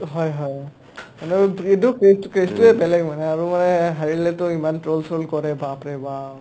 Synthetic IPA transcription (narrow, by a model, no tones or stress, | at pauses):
ɦɔjɦɔj | manɛbɹidɔkɹestkɹestuɛbɛlɛɡmanɛaɹumanɛɦaɹilɛtʊimantɹolsʰɹolkɔɹɛbapɹɛba